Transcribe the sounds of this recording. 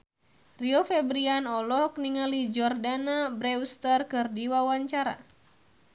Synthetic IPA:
riɔfɛbɾianɔlɔkniŋalid͡ʒɔrdanabɾɛwst̪ərkɨrdiwawaɲt͡ʃaɾa̰

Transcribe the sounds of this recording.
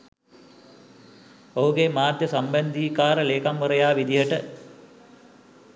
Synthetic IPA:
oɦuɡemaːd̪jəsambɛnd̪iːkaːɾəleːkamʋəɾəjaːʋid̪iɦəʈə

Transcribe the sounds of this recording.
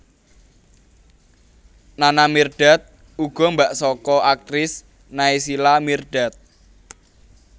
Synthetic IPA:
nanamirɖ̥a̤t̪̚ | uɡ̥ɔ̤mbaʔsɔkɔʔak̚t̪ɾɪs | naisilamirɖ̥a̤t̪̚

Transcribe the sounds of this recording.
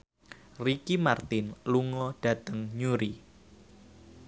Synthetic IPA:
rikimart̪ɪnluŋɔɖ̥ä̤t̪əŋɲuɾi

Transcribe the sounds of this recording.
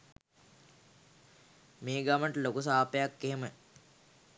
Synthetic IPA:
meːɡaməʈəlokusaːpəjakːeɦemə

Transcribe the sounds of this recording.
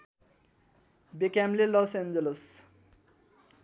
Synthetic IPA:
bekamlelɔsend͡ʒeles

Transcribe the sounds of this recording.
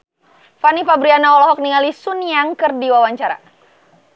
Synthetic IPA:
fanifabɾianaɔlɔɦɔk̚niŋalisunjaŋkɨrdiwawaɲt͡ʃaɾa̰

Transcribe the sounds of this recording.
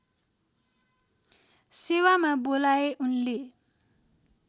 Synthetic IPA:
sewamabolaeʔunle

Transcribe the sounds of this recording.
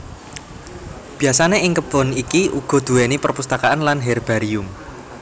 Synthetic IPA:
b̥i̤asaneʔɪŋkəb̥ɔnikiʔuɡ̥ɔ̤d̪̥ṳenipərpust̪akaanlanɦɛrb̥a̤ɾiʊm

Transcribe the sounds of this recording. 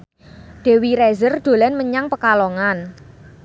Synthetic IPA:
ɖ̪̥e̤wiɾɛzərd̪̥o̤lanməɲaŋpəkalɔŋan

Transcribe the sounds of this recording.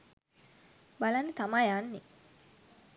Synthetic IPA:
balanːət̪amajanːi

